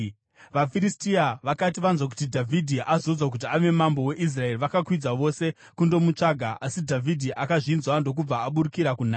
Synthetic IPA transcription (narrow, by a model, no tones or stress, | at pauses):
ʋafiɾistiaʋakatiʋanzwak̬u̥tidʱavʱidʱiʔazod͡zwak̬ut̬iaʋe̞mambo̞we̞ʔis̬rae̞riʋakakwid͡zaʋo̞se̞ | kundo̞mut͡ʂaɡʱaʔasidʱavʱidʱiʔakaʐinzwando̞k̬ub͡vaːɓuɾukiɾakunaː